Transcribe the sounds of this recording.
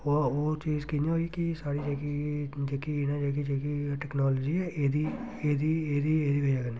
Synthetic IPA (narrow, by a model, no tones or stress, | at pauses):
ooːt͡ʃiːzkinãɦoːikɪsaːɽiːd͡ʒeːkid͡ʒeːkiɪnãːd͡ʒeːk̬id͡ʒeːkiʈɛːknaːloːd͡ʒiːɛːʔeːd̪iː | eːd̪iːeːd̪iːeːd̪iːbed͡ʒaːɡəniː